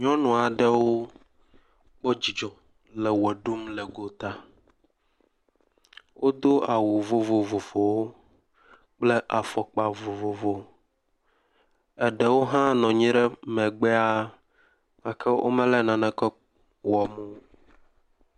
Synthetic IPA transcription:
ɲɔ̃˦nɔ̃˨a˨ɖɛ˦wo˦ | k͡pɔ˦d͡ʑi˨d͡ʒɔ̃˨ | lɛ˨wɛ˨ɖu˦mlɛ˨ɡo˦t̪a˦ | wʔo˦d̪o˦a˨wu˨vo˦vo˨vo˨fo˨wo˦ | k͡ple˦ʔa˨fɔ˨k͡pa˨vo˨vo˨vo˦ | ɛ˦ɖɛ˨wo˦ɦã˦nɔ̃˨ɲĩ˦ɖɛ˦mɛ̃˨ɡ͡bɛ˦a˦ | a˨kʰɛ˦ʔo̰˦mɛ̃˦lɛ˦nã˨nã˨kɛ˦ | wɔ˨mũ˦

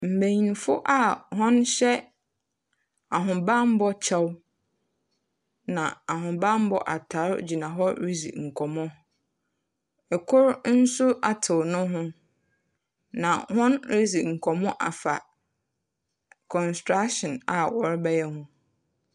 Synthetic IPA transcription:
m̩˨bæ̃˨ɲi˨n˨fʊ˦ʔa˦˨hʊ̃˦nɕɛ˦ | a˨ɦʊ̃˨bã˦m˦bɔ˦t͡ɕʰa˦w | nã˨a˨ɦʊ̃˨bã˦m˦bɔ˦ʔa˨tʰa˨˦ɾd͡ʑi˨nã˨ɦɔ˦ɾi˦sḭ˨ŋ̩˨kʰɔ˨mɔ̃˦ | ɛ˨kʰʊ˦ɾn̩˦sʊ˦ʔa˨tʰɪ˨nʊ̃˦ɦʊ̃˦ | nã̰˨hʊ̃˦nɾi˦zi˨ŋ̩˨kʰɔ˨mɔ̃˦ʔa˨fa̰˨ | kʰɔ̃˨nstɾa˦kʃɔ̃˨na˨wɔ˨ɾbɛ˦jɛ˦hʊ̃˦

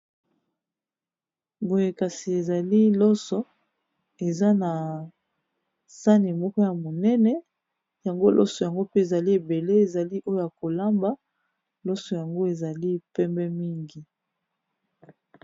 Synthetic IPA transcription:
bo˨je˨ka˨si˨e˨za˨li˦lɔ˦sɔ˦ | e˨za˦na˨ | sa˦ni˨mɔ˦kɔ˦ja˨mo˨nɛ˦nɛ˦ | ja˨ŋɡo˦lʔɔ̰˦sɔ˨ja˨ŋɡo˦pe˦e˨za˨li˦e˨be˨le˦e˨za˨li˦ʔo˦jo˦ja˨ko˨la˦mba˦ | lɔ˦sɔ˨ja˨ŋɡo˦e˨za˨li˦pɛ˦mbɛ˦mi˦ŋɡi˨

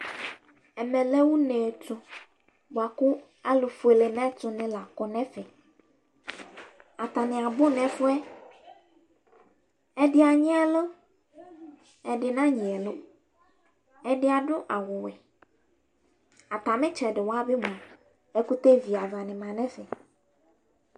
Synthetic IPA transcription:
ɛ˨mɛ̃˨le˦wu˦nɛ˨tʊ˨ | ba˨kʊ˦ | a˦lʊ˨fu˨e˨le˨nɛ̃˦tʊ˨nɪ̃˦la˨kɔ˦nɛ̃˦fɛ˨ | a˨t̪a˨nɪ̃˨a˨bʊ˦nɛ̃˨fʊ˦ɛ˦ | ɛ˦dɪ˦a˨ɲɪ̃˦ɛ˦lo˦ | ɛ˨dɪ˨nã˦ɲĩ˨ɛ˨lʊ˦ | ɛ˨dɪ˦a˨ɖʊ˦ʔa˨wʊ˨wɛ˨ | a˨t̪a˨mɪ̃˦t͡ʃɛ˨ɖɪ˨wa˦bɪ˦mũ˨ | ɛ˦ku˦t̪e˦vi˨a˨va˨nɪ̃˨mã˨nɛ̃˦fɛ˨

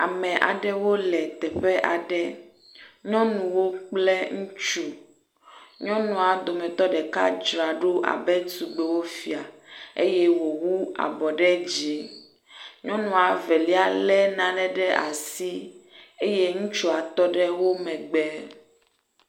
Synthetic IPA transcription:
a˨mɛ̃˨ʔa̰˨ɖɛ˦wo˦lɛ˨t̪ɛ˨ɸɛ˦ʔa˨ɖɛ˦ | ɲɔ̃˦nũ˨wo˦k͡plɛ˦ŋũ˦t͡ʃu˦ | ɲɔ̃˦nũ˨a˨d̪o˨mɛ̃˨t̪ɔ˦ɖɛ˨ka̰˦d͡ʒɾa˨ɖo˦ʔa̰˨bɛ˦t̪u˨ɡ͡bɛ˨wo˦fi˨a˨e˦je˦wo˨wu˦a̰˨bɔ˨ɖɛ˦d͡ʒe˨˦ | ɲɔ̃˦nũ˨a˨vɛ˨li˦a˨lɛ˦nã˨ɖɛ˦ɖɛ˦ʔa̰˨si˦e˦je˦ŋũ˦t͡ʃu˦a˨t̪ɔ˦ɖɛ˦wo˦mɛ̃˨ɡ͡bɛ˦

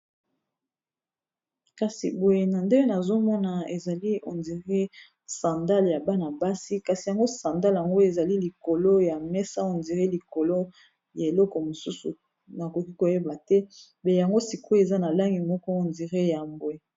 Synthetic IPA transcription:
ka˨si˨bo˨je˨na˨nde˦e˦na˨zo˦mɔ˦na˨e˨za˨li˦o̰˨ndi˨ʁe˦ | sã˨nda˦lja˨ba˦na˨ba˦si˦ka˨si˨ja˨ŋɡo˦sã˨nda˦lja˨ŋɡo˦e˨za˨li˦li˨ko˨lo˦ja˨mɛ˦sa˦o˨ndi˨ʁe˦li˨ko˨lo˦ | ja˨e˨lɔ˦kɔ˨mo˨su˦su˨ | na˨ko˨ki˦ko˨je˦ba˨tɛ˦ | bɛ˨ja˨ŋɡo˦si˨ku˦e˨za˦na˨la˦ŋɡi˨mɔ˦kɔ˦o˨ndi˨ʁe˦ja˨mbwe˨

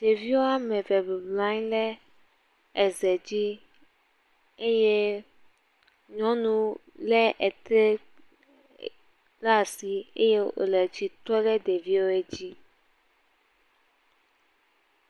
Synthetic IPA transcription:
d̥e˨vi˦wo˦a˦mɛ̃˨vɛ˨be˨blã˦ɲ˦lɛ˦ | ɛ˨zɛ˨d͡ʑi˦ | e˦je˦ | ɲɔ̃˦nũ˦ | lɛ˦ʔɛ˨t̪ɾe˦ | la˦si˨ḛ˦je˦o̰˨lɛ˨t͡ɕi˨t̪ɔ˦lɛ˦d̪e˨vi˦wo˦e˦d͡ʑi˦

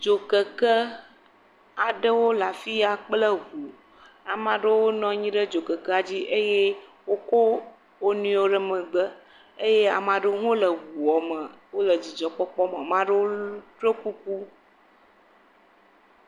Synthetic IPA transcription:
d͡ʒo˨kə˨kə˦ | a˨ɖə˦wo˦la˨fi˦a˨k͡plə˦ɣu˨ | a˨mã˨ɖə˦wo˦nɔ̃˦ɲĩ˦ɖə˦d͡ʒo˨kə˨kə˦a˨d͡ʑi˦ʔe˦je˦ | wo˦ko˦ | wo˦nũ˦o˦ɖə˦mə̃˨ɡ͡bə˦ | e˦je˦a̰˨mã˨ɖə˦ŋo˦lə˨ɣu˨ɔ˨mə˨wo˦lə˨d͡ʑi˨d͡ʒɔ˨k͡pɔ˦k͡pɔ˦mə˨mã˦ɖə˦wo˦tɾe˦ku˦k̚u˦

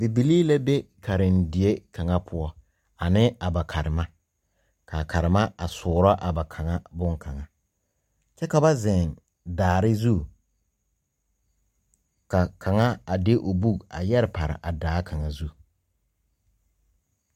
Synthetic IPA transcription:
bi˨bi˨li˦la˦be˦kʰa˨ɾɪ˨ndɪ˨e˦ka˨ŋa˦pʰʊ˦ɔ˦ | a˨nɪ˦a˨ba˨kʰa˨ɾɪ˨ma˦ | ka˨ka˨ɾɪ˨ma˦a˨sʊː˨ɾɔ˦ʔa˨ba˨kʰa˨ŋa˦bʊ˦ŋkʰa˨ŋa˦ | t͡ʃɛ˦ka˨ba˦zɛ˨n | daː˨ɾɪ˦zu˦ | ka˨kʰa˨ŋa˦a˨dɪ˦ʔo˨bu˦ɡa̰˨jɛ˦ɾɪ˨pa˨ɾɪ̰˨ʔa˨daː˦kʰa˨ŋa˨zu˦˨

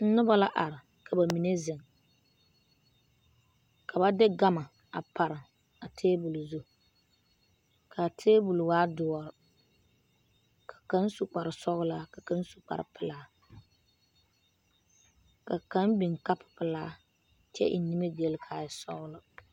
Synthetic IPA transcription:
n̩˦nʊ˦ba˦la˦ʔa˨ɾɪ˨ | ka˨ba˨mi˨ne˦zɪ˨ŋ | kʰa˨ba˦dɪ˦ɡa˦ma˨ | a̰˨pa˨ɾɨ˨ | a˨tʰeː˦bu˨lu˨zu˦ | kʰa˨tʰeː˦bu˨lwaː˦dʊ˨˦ɔ˨ɾɨ˨ | kḁ˨ka˦n˦su˨k͡pa˨ɾɨ˨sɔ˦ɣʊ˦laː˦ka˨ka˦n˦su˨k͡pa̰˨ɾɨ̰˨pɨ˦laː˦ | ka˨ka˦nbi˨ŋka˦pʊ̥˨pɨ˨laː˦ | t͡ʃɛ̰˦ʔḭ˨ni˦me˦ɡe˦lkʰa˨ɪ˨sɔ̰˦ɣʊ˦lɨ˦

